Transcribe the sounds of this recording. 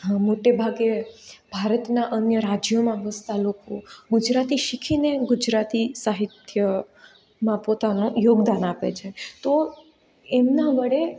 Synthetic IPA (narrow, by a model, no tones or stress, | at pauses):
ɦmoʈebʱaɡebʱaɾət̪naʔənjəɾad͡ʒjomãʋəst̪alokoɡud͡ʒɾat̪iʃikʰineɡud͡ʒɾat̪isaɦit̪ʰjə | mãpot̪anojoɡd̪anapḛt͡ʃʰet̪o | emnaʋəɽe